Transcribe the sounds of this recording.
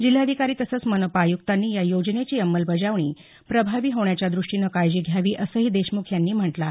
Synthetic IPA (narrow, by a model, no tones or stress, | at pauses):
d͡ʑil̤ːaəd̪ʱikaɾiːt̪əsəːt͡smənopaːjukt̪anːiːjajod͡ʑnet͡ɕiːəmːəlbəd͡zaʋɳiː | pɾəbʱaʋiːɦoɳjat͡ɕjad̪ɾuʂʈinəkajd͡ʑiːɡʱjaʋiːʔəsəɦiːd̪eɕmukʰjanːiːm̤əʈla